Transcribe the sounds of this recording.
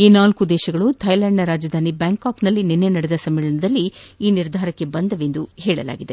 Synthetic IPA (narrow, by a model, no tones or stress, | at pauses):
iːnaːlkud̪ɛːʃɐɡɐɭut̪ʰɐjlaːɳɖnɐɾaːd͡ʒɐd̪ʱaːnibjaːŋkaːknɐlːinenːe̞nɐɽed̪ɐsɐmːɛːɭɐɳɐd̪ɐlːiiːniɾd̪ʱaːɾɐkːe̞bɐnd̪ɐʋe̞nd̪uhɛːɭɐ̰la̰ːɡid̪e̞